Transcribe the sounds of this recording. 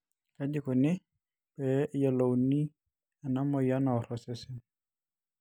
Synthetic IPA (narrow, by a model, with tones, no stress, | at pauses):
ka˨d͡ʒɪ˦kɔ˨nɪ˦ | pɛ˨˦ja˨lo˨wni˦ | a˨na˦mɔ˨ja˦na˨ɔ˨ɾɔ˨sɪ˦sɪ˦n